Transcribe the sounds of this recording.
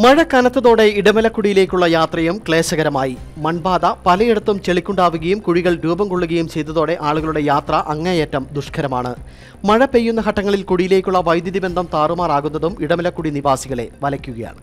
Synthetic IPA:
mɐɻɐkɐnɐt̪ːɐðo̞ːɽe̞iɽɐmɐlɐkːuɽijile̞ːkʲːuɭːɐjaːt̪rɐjumkɭe̞ːɕɐɣɐɾɐmaːjimɐnbaːd̪ɐpɐlɐjeɽut̪ːumt͡ɕe̞ɭikʲːuɳɖaːʋuɣɐjumkuɻiɣɐɭɾuːbɐmkoɭːuɣɐjumt͡ɕe̞jt̪ːɐðo̞ːɽe̞ʔaːɭuɣɐɭuɽe̞jaːt̪rɐʔɐŋːɐjetːɐmd̪uʂkʰɐɾɐmaːɳɨ̰ | mɐɻɐpe̞jːun̪ːɐɦɐʈːɐŋːɐɭilkuɽijile̞ːkʲːuɭːɐʋɐjd̪jɐðibɐnd̪ʱɐmt̪aːrumaːraːɣunːɐðumiɽɐmɐlɐkːuɽiniʋaːsiɣɐɭe̞̰ʋɐlɐkʲːuɣɐja̰ːɳɨ

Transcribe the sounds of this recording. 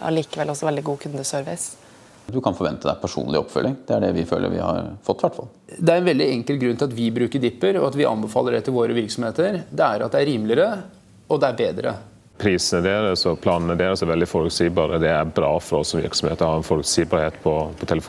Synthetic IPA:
ɑ̰liːkəʋɛlɔsɔʋɛld̪ɪɡuːkʰʉnd̪əsœɾʋɪs | d̪ʉkʰɑnfɔɾʋɛnt̪əd̪æ̰ɪpʰæʂṵːnlɪ̰ɔ̰pːfœ̰lːɪŋd̪̥ɛæɖɛʋɪfø̰ːlʔə̰ɾʋɪ̰hɑ̰ɾfɔt̪ːʋæʈːfɑ̰ld̪ɛæɾɛnʋɛld̪ɪɛŋkəlɡɾʉnt̪ɪlɑt̪ʋɪbɾʉːkəɖ̪ɪpːəɾɔɑt̪ʋɪʔɑ̰nbəfɑ̰ːlːəɖɛt̪ʰːɪlʋoːɾəʋɪɾksɔmheːt̪əɾd̪ɛæɾɑt̪̚d̪ɛæɾiːmlɪəɾə | ɔd̪ɛæɾbeːd̪ɾə̰ | pʰɾiːsɛd̪eːɾəsɔpʰlɑːnɛd̪eːɾəsɛʋɛld̪ɪfɔlʉksiːbɑːɾəd̪ɛæɾbɾɑːfɔɾɔsːɔmʋɪ̰ɾksɔmhḛːt̪əɔhɑɾɛnfɔlʉksiːbɑːɾheːt̪pʰɔpʰɔt̪ʰɛləf

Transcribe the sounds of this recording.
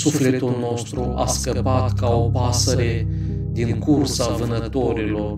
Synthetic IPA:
sufle̞t̪ulno̞st̪ɾuʔa̰skəpat̪kaopasəɾe̞ | d̪iŋkursavɨnət̪o̞ɾilo̞r

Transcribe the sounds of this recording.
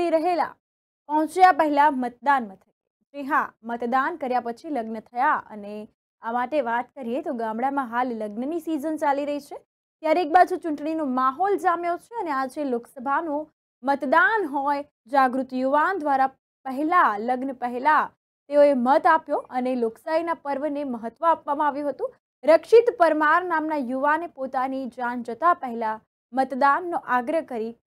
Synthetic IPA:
iɾəɦela̰ | pəɦɔ̃t͡ʃjapəɦɛlamət̪̚d̪anmət̪ʰəe | d͡ʒeɦãmət̪d̪ankəɾjapət͡ʃʰiləɡnət̪ʰəjaə̰ne | amaʈeʋat̪kəɾiet̪oɡãmɽamãɦalləɡnənisizənt͡ʃaliɾəɦit͡ʃʰe | t̪jaɾek̚bad͡ʒut͡ʃʊ̃ɳʈɳinomaɦɔld͡ʒamjot͡ʃʰeənead͡ʒeloksəbʱanũ | mət̪d̪anɦɔj | d͡ʒaɡɾut̪juʋand̪ʋaɾa | pəɦɛlaləɡnəpəɦla | t̪eoemət̪apjoʔəneloksainapəɾʋəneməɦət̪ːʋəapʋamãaʋjũɦət̪ũ | ɾəkʃɪt̪pəɾmaɾnamnajuʋanepot̪anid͡ʒand͡ʒət̪apəɦɛla | mət̪d̪anːoʔaɡɾəɦkəɾi

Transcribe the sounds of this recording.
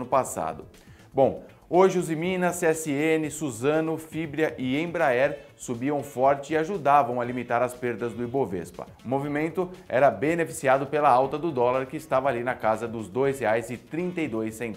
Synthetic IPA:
nʊpasa̰d̪ʊ | bõw̃ | oʒɪʊzimĩnɐsɛsɪenɪsuzɐ̃nʊfibɾiɐʔɪẽbɾaɛɾ | subiɐ̃w̃fɔɾt͡ʃɪɪaʒud̪avɐ̃w̃ɐalimit̪aɾɐspeɾd̪ɐzd̪ʊibovḛspɐ̰ʊmovimẽnt̪ʊɛ̰ɾɐbenefi̥siad̪ʊpelɐawt̪ɐd̪ʊd̪ɔlɐɾkɪːst̪avɐaːlinɐkazɐd̪ʊzd̪ojsheajzɪt̪ɾĩnt̪ɐjd̪ojsẽn

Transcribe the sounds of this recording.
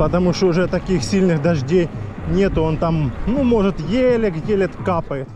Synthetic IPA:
pət̪ɐmuʂt̪oʊʐɛt̪ɐkʲixsʲilʲnɨxd̪ɐʐdʲej | nʲet̪ʊo̞nt̪amnumoʐɨt̪jelʲɪkjelʲɪt̪kapəjɪt̪

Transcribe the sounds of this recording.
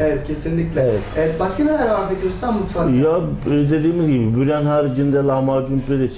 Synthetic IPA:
evɛt̪̚cʰe̞sinlʲiclʲɛevɛt̪evɛt̪̚baʃkanelʲæɾvaɾbed̪iost̪ʰambut̪faɾjad̪e̞d̪iːmizɡɟibibyɾænhaːɾid͡ʒind̪ɛlˠamaːd͡ʒumpɾed̪et͡ʃʰ

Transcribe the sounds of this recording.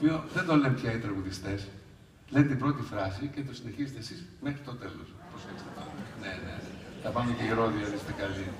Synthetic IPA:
opioðend̪olempçɐit̪ɾɐɣuðist̪e̞s | let̪et̪ibɾo̞t̪ifɾɐsicet̪̬o̞sine̞çiset̪esismexɾit̪o̞t̪elo̰sposekst̪ep̪ɐnenḛet̪ɐpɐmeceiɾoðiɐðist̪ekɐli

